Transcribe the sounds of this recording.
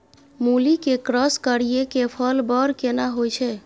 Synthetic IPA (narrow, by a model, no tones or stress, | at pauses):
mulikekɾəskəɾiekepʰəlbəɾkenaɦojt͡ʃʰɛ